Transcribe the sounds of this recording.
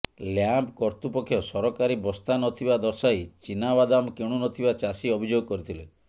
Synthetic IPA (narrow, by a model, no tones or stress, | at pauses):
ljampkɔɾt̪upɔkʰːjɔsɔɾɔkaɾibɔst̪anɔt̪ʰibad̪ɔɾsajt͡ʃinabad̪amkeɽ̃unɔt̪ʰibat͡ʃasiɔbʱid͡ʒoɡɔkɔɾit̪ʰile